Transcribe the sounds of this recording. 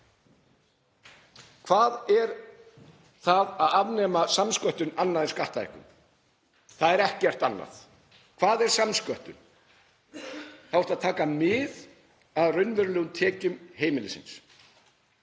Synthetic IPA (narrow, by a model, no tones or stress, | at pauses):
kʰvaːðɛɾ | θaðaðavnɛːmasamskœht̪ʏnanːaðɪnskaht̪aɛ̰hkʏ̰m | θaðɛɾɛhcɪɛr̥t̪anːa̰θ | kʰv̥aːðɛɾ̥samskœht̪ʏn | θavɔɾ̥t̪aðt̪ʰaːkamɪð | aðrʏnvʏɾʏlɛːɣʏmt̪ʰɛːcʏmheːjmɪlɪsɪ̰ns